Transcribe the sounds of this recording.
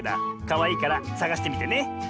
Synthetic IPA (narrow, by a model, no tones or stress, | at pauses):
ɾa̰kaβaiːkaɾasaɡaɕi̥t̪e̞mʲit̪e̞ne̞